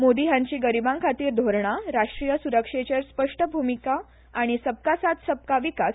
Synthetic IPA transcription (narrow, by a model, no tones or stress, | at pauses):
mod̪iɦjãɲt͡ɕiːɡəɾibãŋkʰat̪iːɾd̪ʱoɾɳaɾaʂʈɾijəsuɾəkʂet͡ɕaɾspəʂʈəbʱumika | aɽ̃isəp̚kasat̪səb̚kaʋikas